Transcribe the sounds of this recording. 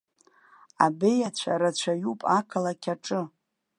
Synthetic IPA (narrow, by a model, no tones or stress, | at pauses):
abejat͡ɕʷʰa̰ɾat͡ɕʷʰajupʼakʰalakʲʰaʈ͡ʂʼɨ